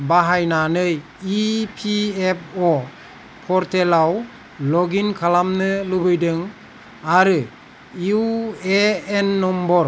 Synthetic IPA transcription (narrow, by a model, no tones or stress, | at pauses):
baɦajnanɯj | ipʰiep̚ʰɔ | pʰɔɾtʰelaw | lɔɡinkʰalamnɯlubɯjdɯŋ | aɾɯ | iueenːɔmbɔɾ